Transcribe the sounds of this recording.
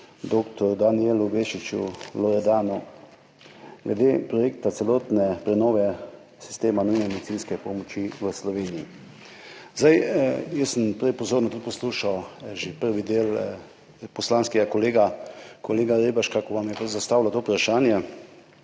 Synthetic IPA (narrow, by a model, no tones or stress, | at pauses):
d̪oːkt̪ɔɾd̪anielubeʃit͡ʃṵlɔɾɛd̪aːnu | ɡlɛd̪eːpɾɔjekt̪at̪sɛloːt̪nɛpɾɛnɔːʋɛ | si̥st̪eːmanujmɛmɛd̪it̪sinskɛpɔmɔt͡ʃiʋəslɔʋeːnii | zd̪ajjəsəmpɾɛpɔzoːɾnat̪ut̪̚pɔsluːʃawʒepəɾʋid̪eːl | pɔslanskɛɡakɔleːɡakoleːɡaɾebaʃkakɔʋamjɛpzast̪aːʋlat̪oupɾaʃaːnjɛ